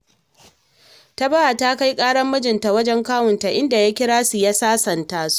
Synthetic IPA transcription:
ta˦ba˦ʔa˨ta˦ka˦jkʼaː˦ɽɐ˦mːɐ˦d͡ʒɪ˨nta˨wɐ˦d͡ʒɛ˦ŋkaː˦wʊ˨nta˨ʔɪ˦nda˨ja˦kʲɪ˦ɽaː˦su˨ja˦saː˦sɐ˨ntaː˦su̥˦ʔ

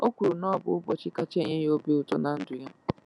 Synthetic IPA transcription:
o˦kʷu˨ɾu˨nɔ˦˨bʊ̰˦ʊ˦bɔ˨t͡ʃɪ˦ka˦t͡ʃe˦˨ɲe˦jo˦bi˦ʊ˨tɔ˦na˨n̩˦dʊ˨˦ja˦

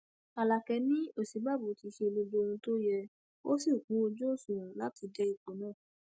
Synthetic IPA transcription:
a˨la˨kɛ˧˦nĩ˦o˨si˨˦ba˦˨bu˨ti˧ʃe˧lo˧do˧˦˧ũ˧to˦jɛ˧ | o˦si˦˨kũ˨˦o˧d͡ʒo˦˨sũ˨˦la˦ti˧d͡ʒɛ˦i˦˨k͡põ˨˦nãː˦˨

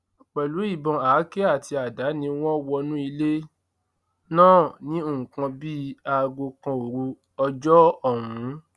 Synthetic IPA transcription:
k͡pɛ˨lu˨˦i˦˨bɔ̃˨aː˨˦ke˦a˦˨tʰi˧a˨da˨˦nĩ˧w̃ɔ̃˦wɔ˧nũ˦i˧le˦ | nãː˦˨nĩ˦o˦˨ũ˨kã˧bi˦a˧ɡo˧kã˧o˨ɾu˧ | ɔ˧d͡ʒɔ˦ɔ˦˨wũ˨˦

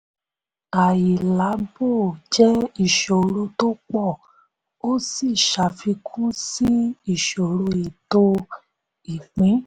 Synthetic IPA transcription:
a˨ji˨la˨˦bo˦˨d͡ʒɛ˦i˦˨ʃo˨ɾo˧to˦k͡pɔ˦˨ | o˦si˦˨ʃa˨fi˧kʰũ˦si˦i˦˨ʃo˨ɾo˧i˨to˧ | i˨k͡pĩ˨˦

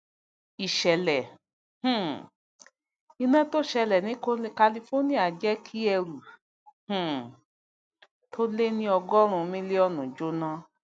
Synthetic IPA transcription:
i˨ʃɛ˨lɛ˨ | h̩˦˨ | i˧nã˦to˦ʃɛ˧lɛ˨nĩ˨˦ko˦i˦ka˧li˧fo˦nĩ˦a˨d͡ʒɛ˦kʰi˦ɛ˧ɾu˨ | h̩˨ | tʰo˦le˦nĩ˦ɔ˧ɡɔ˦ɾ̃ũ˧mĩ˦le˦ɔ˦nũ˨d͡ʒo˦nã˧˦

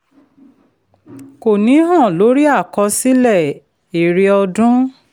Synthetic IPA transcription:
ko˨nĩ˨˦ɦɔ̃˦˨lo˨˦ɾi˦a˦˨kɔ˧˦si˦lɛ˦˨ | e˨ɾi˧ɔ˧dũ˦

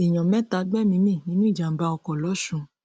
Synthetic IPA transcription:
e˨j̃ɔ̃˨mɛ̃˦ta˧˦ɡ͡bɛ˦mĩ˧˦mĩ˦˨nĩ˦nũ˦i˦˨d͡ʒa˨m̩˨˦ba˧ɔ˧kɔ˨lɔ˨˦ʃũ˨˧

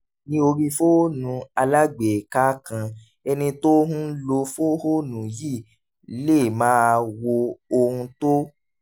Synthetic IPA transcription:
nĩ˦o˧ɾi˧fo˦nũ˨˦a˧la˦ɡ͡be˨ka˦kã˧ | ɛ˧nĩ˧to˦ɦũ˦lo˧fo˦ho˦nũ˨ji˦˨˦ | le˦˨mãː˦˧wo˧o˧hũ˧to˦

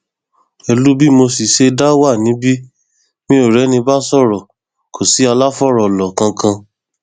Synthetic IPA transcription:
ɛ˧lu˦bi˦mo˧si˨ʃe˧da˦wa˦˨nĩ˨˦bi˦ | mĩ˦o˦˨ɾɛ˨˦nĩ˧ba˦sɔ˦˨ɾɔ˨ | ko˨si˨˦a˧la˦fɔ˦˨ɾɔ˨lɔ˨kã˧kã˧

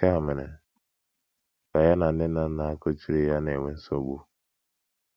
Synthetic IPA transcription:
ka˦˨me˨nḛ˨ | ka˨ja˦na˨n̩˨˦dɪ˦na˦na˨a˦ko˦t͡ʃi˦ɾe˦ja˦ne˨ŋʷe˦n̩˦so˦ɡ͡bu˦

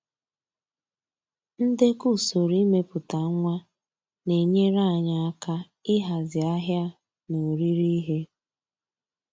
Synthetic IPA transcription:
n̩˦de˦ku˦˨so˨ɾi˦me˦pʊ˨ta˨˦ŋʷa˦ | ne˨ɲe˦ɾa˦˨ɲa˨a˦ka˦ | ɪ˦ɦa˨zɪ˨a˦ɦja˦ | no˨ɾi˦ɾi˦ɦe˦

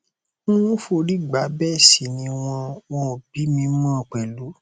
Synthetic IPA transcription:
ũ˦ũ˦fo˧ɾi˦˨ɡ͡ba˨˦bɛ˦˨si˨nĩ˧˦w̃ɔ̃˧wɔ̃˧˨b̥i˨˦mĩ˧˦mɔ̃ː˦˨k͡pɛ˨lu˨˦

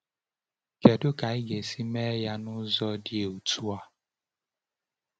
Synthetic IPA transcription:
kɛ˨do˦ka˨i˦ɡe˨si˦mɛ˦ja˦nʊ̃˦zɔ˦di˦e˨u˨tu˦a˦

